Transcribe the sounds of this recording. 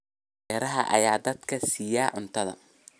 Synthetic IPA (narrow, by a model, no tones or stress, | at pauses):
ɛːɾɐɦɐ̰ʔɐ̰jaːd̪ɐd̪kʰɐsiːjaːʕʊnt̪ʰɐðɐ̰